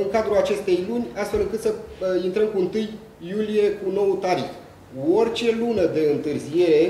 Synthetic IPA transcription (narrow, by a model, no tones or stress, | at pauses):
ɨŋkad̪ɾuat͡ʃe̞st̪e̞jlunʲast̪fe̞lɨŋkɨt̪səint̪ɾəmkuɨnt̪ɨjː | ulije̞kuno̞wut̪aɾḭx | uorʲt͡ʃe̞lunəd̪e̞ɨnt̪ɨrzije̞ɾe̞